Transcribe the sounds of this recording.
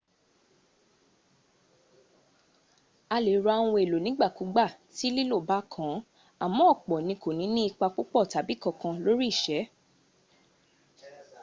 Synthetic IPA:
a˧le˨ɾa˧a˧w̃ũ˧e˨lo˨nĩ˨˦ɡ͡ba˦˨ku˨˦ɡ͡ba˦˨ti˨˦li˦lo˦˨ba˦kʰã˨˦ | a˨mɔ̃˨˦ɔ˦˨k͡pɔ˨nĩ˧ko˨nĩ˨˦nĩ˦i˦˧k͡pa˧k͡po˦k͡pɔ˦˨ta˨˦bi˨˦kɔ̃˧kã˧lo˦ɾi˦i˦˨ʃɛ˨˦

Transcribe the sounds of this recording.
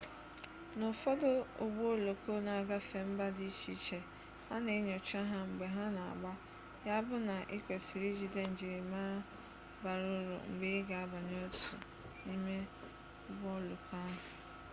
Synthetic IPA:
nʊ˨fɔ˦dʊ˦o̰˨ɡ͡bo˦lo˨ko˦na˨a˨ɡa˦fe˨m̩˦ba˦di˦t͡ʃi˦t͡ʃe˨ | ha˦ne˨˦ɲo˨t͡ʃa˦ɦa˦ŋ͡m̩˨ɡ͡be˨ɦa˦na˨a̰˨ɡ͡ba˦ | ja˦bʊ˦na˨ʔɪ˦kʷe˨si˨ɾi˦d͡ʒi˨de˦n̩˨d͡ʒi˨ɾi˨maː˦ | ba˨ɾʊ˦ɾo̰˨ŋ͡m̩˨ɡ͡be˦ɪ˦ɡa˨a˦ba˨ɲo˦tṵ˨ | ni˦me˦ | ɡ͡bɔ˦lo˨ka˦ɦʊ˨

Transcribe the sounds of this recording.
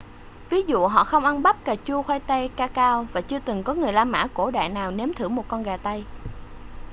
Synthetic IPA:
vi˨˦zṵ˧˨ɦɔ̰˧˨xə˧wŋ͡mʔa˧nɓa˦˥p̚kaː˨˩t͡ɕu˧əxwaː˧jt̪a˧jkaː˧kaː˧wvaː˨˩t͡ɕɨ˧ət̪ɨ˨˩ŋkɔ˨˦ŋɨ˨˩əjlaː˧mːa̰ː˧˥ko˧˩ɗa̰ː˧˨jnaː˨˩wne˨˦mt̪ʰɨ˧˩mo˨˩t̚kɔ˧nɣaː˨˩t̪a˧j

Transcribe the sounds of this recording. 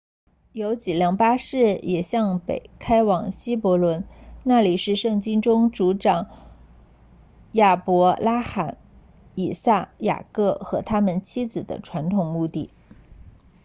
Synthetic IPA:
jo˧˥ʊt͡ɕi˨˩ljɑ˧˥˩ŋpa˥ʂɻ̩˥˩jʔɛ˨˩ɕjɑ˥˩ŋpḛ˨˩ɪkʰa˥ɪwɑ˨˩ŋɕi˥pwɔ˧˥lwə˧˥nna˥˩li˨˩ʂɻ̩˥˧ʂɤ˥˩ŋt͡ɕi˥ŋʈ͡ʂʊ˥ŋʈ͡ʂu˧˥ʈ͡ʂɑ˨˩˦ŋ | ja˥˩pwɔ˧˥la˥xa˨˩˥n | i˨˩sa˥˩ja̰˨˩kɤ˥˩xɤ˧˥t̪ʰa˥mə˨nt͡ɕʰi˥d͡zɹ̩˨˩d̪ə̰˦ʈ͡ʂʰwa˧˥nt̪ʰʊ˨˩ŋmu˥˧t̪i˥˩

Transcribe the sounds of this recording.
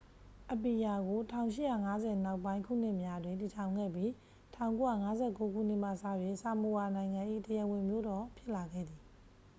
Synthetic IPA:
ʔə˨pi˨ja˨ɡo˨tʰã˦˨ʊ̃ʃɪ̰˦˨ja̰˦˨ŋa˦zɛ˨na˦ʊpːã˦ɪ̃ŋkʰṵ˦˨n̥ɪ˦ʔmja˦dwɪ̃˨nti˨tʰã˨ʊ̃ŋɡɛ̰˦˨bji˦˨ | tʰã˨ʊ̃ŋko˦ja̰˦˨ŋa˦zɛ˦˨ko˦ɡṵ˦˨n̥ɪ˦ʔm̥a̰˦˨sa̰˦˨jwɪ̃˦˨sa˨mo˨wa˨nã˨ɪ̃ŋã˨ʔḭ˦˨təjɛ˨wɪ̃˨mjo˦dɔ˨pʰjɪ˦ʔla˨ɡɛ̰˦˨d̪ði˨

